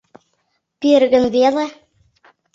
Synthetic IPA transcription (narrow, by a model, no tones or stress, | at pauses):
perɣɘ̆nβelĕ